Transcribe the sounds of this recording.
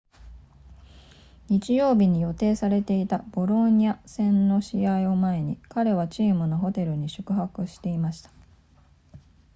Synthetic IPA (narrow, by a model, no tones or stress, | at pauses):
ɲ̟it͡ɕijo̞ːbʲiɲ̟ijo̞t̪e̞ːsaɾe̞t̪e̞it̪ab̥o̞ɾo̞ɲ̟iasẽ̞nːo̞ɕiaio̞mae̞ɲ̟ikaɾe̞β̞at͡ɕiːmɯ̟no̞ɦo̞t̪e̞ɾɯ̟ɲ̟iɕɨ̥kɯ̟ɦakɯ̟ɕi̥t̪e̞imaɕi̥t̪ḁ